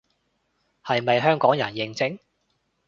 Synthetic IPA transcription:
hɐ˨jmɐ˨jɦœː˥ŋkɔː˨˥ŋjɐ̰˨˩njɪ˨˧ŋt͡sɪ˥ŋ

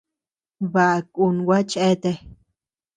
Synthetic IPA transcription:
βa˧ʔku˧nwa˦t͡ʃe˦t̪e˧

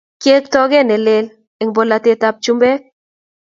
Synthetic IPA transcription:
kje˦ktɔ˦ɡɛ˦nɛ˨lɪ˦l | e˨ŋbo˨la˨te˦ta˦p̚t͡ʃu˦mbɛ˦k̚

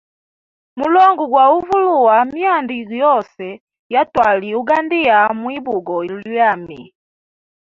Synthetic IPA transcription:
mu˨lɔ˦ŋɡu˨ɡwa˨u˦vu˦lu˨wa˨mja˦ndiɡjɔ˦sɛ˨ | ja˦twa˨li˨uɡa˦ndi˦a˨mwi˦bu˨ɡɔ˨i˨lwa˨mi˨

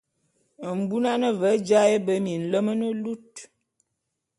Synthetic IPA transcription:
m̩˨bu˦na˦nə˦və˨˦d͡ʒa˦e˦bə˦mi˨n̩˨lə˦mə˦nə˦lu˦t̚

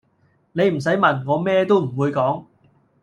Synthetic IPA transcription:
ne˨˧jm̩˨˩s̬ɐ˨˥jmɐ˨˩nŋɔː˨˧mɛː˥t̪o˥wm̩˨˩wuː˨˧jkɔː˨˥ŋ

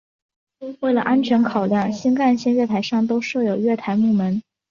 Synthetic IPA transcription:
we˥˩ɪlə˩ʔa˥nt͡ɕʰɥɛ˧˥nkʰɑ˨˩ʊljɑ˥˩ŋɕi˥ŋka˥˧nɕɛ˥nɥɛ˥˩t̪ʰa˧˥ɪʂɑ˥˩ŋt̪o˥ʊʂɤ˥˩jo˨˩ʊɥɛ˥˩t̪ʰa˧˥ɪmu˥˩mə˧˥n

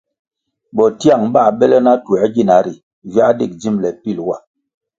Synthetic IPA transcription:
bɔ˨ti˦a˦˨ŋba˦˨ɓɛ˦lɛ˦na˦tu˨ɛ˨˦ɡi˦˨na˨˦ɾi˨ | vja˦de˦˨k̚d͡zi˦mlɛ˨pi˦˨lwa˦˨

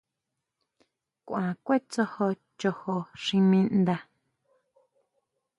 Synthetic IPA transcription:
kʷʔãː˨kʷe˦t͡so˧ho˧ | t͡ʃo˧ho˧ʃĩ˧mĩ˧nd̪a˧

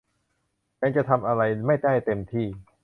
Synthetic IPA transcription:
t͡ɕaː˧nt͡ɕa˨˩t̪ʰa˧mʔa˧ɾa˧jma˥˩jd̪a˥˩jt̪e˧mt̪ʰiː˥˩

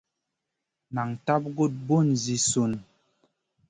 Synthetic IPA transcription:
na˨ŋta˦p̚ɡo˦˨t̚bo˦˨nzi˨so˨n

